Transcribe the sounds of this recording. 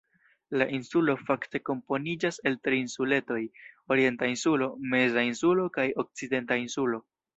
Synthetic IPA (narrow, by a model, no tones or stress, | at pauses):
laʔinsulo̞fakte̞ko̞mpo̞nid͡ʒase̞ltɾiːnsule̞to̞jo̞ɾie̞ntainsulo̞me̞zainsulo̞kajo̞k̚t͡side̞ntainsulo̞